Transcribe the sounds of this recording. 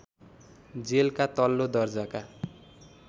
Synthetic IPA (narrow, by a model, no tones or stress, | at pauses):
d͡zelkat̪ʌlːod̪ʌrd͡zʌka